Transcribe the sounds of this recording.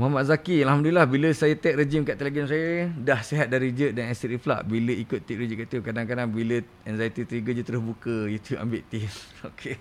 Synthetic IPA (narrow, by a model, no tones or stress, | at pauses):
mɔɦamaʔ̚zakialɦamdulilahbiləsajət̪ɛʔ̚ɾed͡ʒimkaʔt̪ɛleɡɔns̬ajədahseɦat̪̚daɾid͡ʒəʔ̚danasitifla̰ʔbiləikʊt̪ːiʔ̚ɾed͡ʒiʔkaʔt̪ukadaŋkadaŋbilə | ɛnzajt̪it̪ɾiɡəd͡ʒut̪əɾʊsbukəit̪ua̰mbɪʔt̪im | okʰe